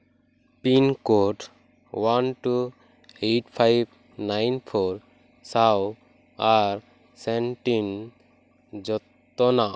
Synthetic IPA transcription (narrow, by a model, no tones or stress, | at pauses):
pinkoʈ | wanʈu | eʈpʰajb̚ | najnpʰɔɾ | saw | aɾ | sɛnʈin | d͡ʒɔt̪ | ɔnaʔ